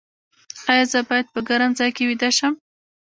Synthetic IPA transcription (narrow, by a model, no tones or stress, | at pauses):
ɑjɑzəbɑjad̪̚pəɡaɾamzɑjkewid̪aʃəm